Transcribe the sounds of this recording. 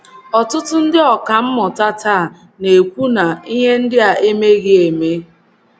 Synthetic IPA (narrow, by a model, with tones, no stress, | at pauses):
ɔ˨tʊ˦tʊ˦n̩˦dɪ˦ɔ˨ka˨m̩˦mɔ˨ta˦ta˦a˨ | ne˨kʷu˦na˨i˦ɦe˦n̩˦dɪ˦a˨e˦me˦ɣɪ˦e˨me˦